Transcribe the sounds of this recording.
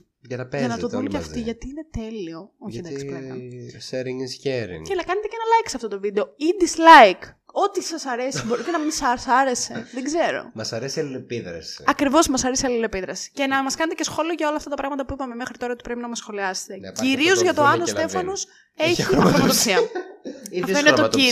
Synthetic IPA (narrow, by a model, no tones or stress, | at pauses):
ʝɐnɐpeɐnɐt̪oðunceɐft̪iʝɐt̪iːine̞t̪e̞lio̞oçend̪ɐksipleɐseɾiŋizʝeɾḭŋcelɐkɐne̞t̪e̞cenɐlɐikseɐft̪o̞t̪o̞vid̪e̞o̞id̪islɐjk | o̞t̪isɐsɐɾe̞sibo̞ɾit̪enɐmisɐsɐɾe̞se̞ðeɡze̞ɾo̞̰mɐsɐɾesiɐlilepiðɾɐ̰si̥̰ɐkɾivo̞smɐsɐɾesiɐlilepiðɾɐsi̥ce̞nɐmɐskɐne̞t̪ece̞sxo̞lio̞ʝɐo̞lɐːft̪ɐt̪ɐpɾɐɣmɐt̪ɐpuipɐmemexɾit̪o̞ɾɐot̪i̥pɾe̞pinɐmɐsxo̞liɐse̥t̪e̞ciɾio̞zʝɐt̪oɐnost̪e̞fɐno̞s | eçiɐɾomoðoksiɐ | ifoinet̪oi